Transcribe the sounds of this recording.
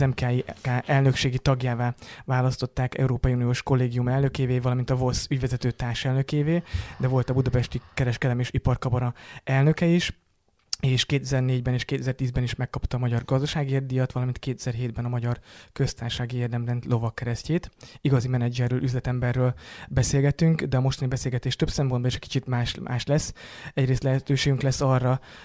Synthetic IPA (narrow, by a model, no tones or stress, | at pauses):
zɛmkaːikaːʔɛlnø̞kʃeːɡit̪ɒɡjaːvaːvaːlɒst̪o̞t̪ːaːkɛ̰uɾoːpɒjiunijoːʃko̞lːeːɡijumɛlnø̞keːveːvɒlɒmint̪ɒvo̞sːyɟvɛzɛt̪øːt̪aːrʃɛlnø̞keːveːd̪ɛvo̞lt̪ɒbud̪ɒpɛʃt̪ikɛɾɛʃkɛd̪ɛmeːʃipɒrkɒbɒɾɒɛlnø̞kɛiʃ | eːʃkeːt̪ɛzɛrneːɟbɛneːʃkeːt̪ɛzɛrt̪iːzbɛniʃmɛkːɒpt̪ɒːmɒɟɒrɡɒzd̪ɒʃaːɡierd̪ijɒt̪ʋɒlɒmint̪̚keːt̪ɛzɛɾɦeːd̪̚bɛnɒmɒɟɒrkø̞st̪aːrʃaːɡieːrd̪ɛmlɛnt̪lʔo̞vɒkːɛɾɛsceːt̪iɡɒzimɛnɛd͡ʒɛrːøːlʔyzlɛt̪ɛmbɛrːøːlbɛseːlɡɛt̪yŋkd̪ɛɒmo̞ʃt̪ɒnibɛseːlɡɛt̪eːʃt̪øbsɛmpo̞nbɒiʃɛcki̥t͡ʃit̪maːʃmʔa̰ːʃlɛsːɛɟɾeːst̪lɛɦɛt̪øːʃeːɡyŋklɛsːɒrːɒ